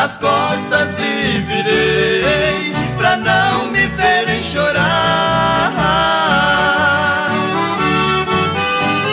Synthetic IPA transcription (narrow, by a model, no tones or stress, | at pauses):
ɐskɔst̪ɐzɪviɾeejpɾɐnɐ̃w̃mɪveɾẽj̃ʃoɾa | a